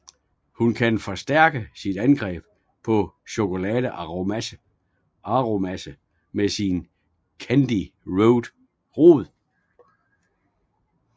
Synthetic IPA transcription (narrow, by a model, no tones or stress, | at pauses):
hunkʰænfɒ̽sd̥æɐ̰ɡ̥əsid̥ænɡ̥ʁɛ̰ːb̥ | pʰɒ̽ɕo̝kʰo̝lɛːðˠə | ɑ̈ʁomæsə | mesin | kʰænd̥iʁoʊd̥ | ʁo̝ːð̩ˠ